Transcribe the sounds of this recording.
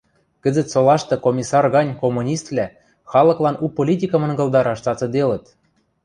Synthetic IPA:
kɘ̆zɘ̆t̪solˠɑʃt̪ɤ̆komʲisɑrɣɑnʲkomunʲist̪lʲæ | xɑlˠɤ̆klˠɑnupolʲit̪̬ʲikɤ̆mɤ̆nɡɤ̆lˠd̪ɑɾɑʃt͡sɑt͡sɤ̆d̪elə̆t̪

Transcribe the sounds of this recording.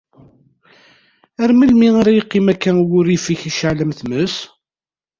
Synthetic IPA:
æɾməlmiaɾajəqːɪmækːænwʊɾifiçiʃaʕləmθməs

